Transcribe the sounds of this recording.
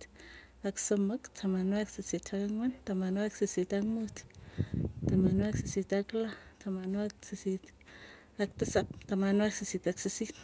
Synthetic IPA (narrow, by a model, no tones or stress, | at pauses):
t | aksoməktʰamanwaksəsitʰakaŋwant̪amanwaksəsit̪aŋmut̪ | t̪amanwaksəsitaklatʰamanwak̚sisit | ak̚t̪əsap̚t̪amanwaksisit̪aksəsit